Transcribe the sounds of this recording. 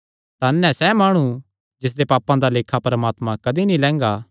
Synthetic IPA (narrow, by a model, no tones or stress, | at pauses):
t̪anːɛ̃sɛmaːɽ̃ũ | d͡ʒɪs̬d̪epaːpãd̪aleːkʰapɐɾɐmaːt̪mãkɐd̪inĩlɛ̃ːŋɡaː